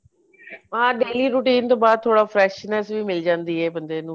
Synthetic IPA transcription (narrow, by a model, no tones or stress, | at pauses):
ãːɖeːliːɾuːʈiːnt̪õːbaːd̪̚t̪ʰːoːɽaːfʰɾɛːʃnɛsʋiːmɪld͡ʒãːnd̪iːɦɛːbə̃nd̪eːnũː